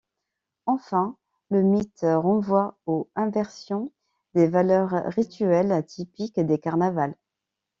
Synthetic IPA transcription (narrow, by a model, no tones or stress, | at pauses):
ɑ̃fɛ̃ | ləmit̪ʁɑ̃vwaoɛ̃vɛʁsjɔ̃ | d̪evalœʁʁit̪yɛlt̪ipikd̪ekaʁnaval